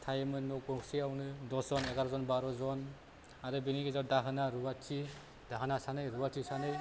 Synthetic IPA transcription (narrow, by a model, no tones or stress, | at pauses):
tʰajmɯnɔk̚bɔksiawnɯdɔzɔneɡaɾɔzɔnbaɾɔzɔn | aɾɯbiniɡizadaɦɯnaɾuwatʰi | d̥aɦɯnasanɯjɾuwatʰisanɯj